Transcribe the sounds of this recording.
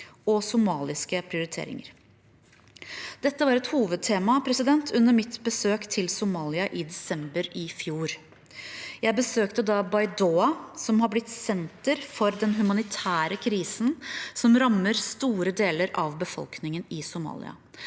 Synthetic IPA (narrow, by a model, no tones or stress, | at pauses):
ɔsʊmɑːlɪskəpʰɾɪʊɾɪt̪ʰḛːɾɪ̰ŋə̰ɾ | d̪̥ɛt̪ːəʋɑɾɛt̪huːʋəd̪̚t̪ʰeːmɑpʰɾɛsɪd̪ɛnt̪ʰʉnːəɾmɪt̪bəsøːkt̪ʰɪlsʊmɑːlɪɑʔɪd̪ɛsɛmbəɾɪfjuːɾ | jæɪbəsøːkt̪əd̪ɑbɑɪd̪oːɑsɔmhɑblɪt̪sɛnt̪əɾfɔɾd̪ɛnɦʉmɑnɪt̪ʰæːɾəkʰɾiːsn̩sɔmɾɑməɾst̪uːɾəd̪eːləɾɑʋbəfɔ̰lknɪŋənɪsʊmɑ̰ːlɪ̰ɑ̰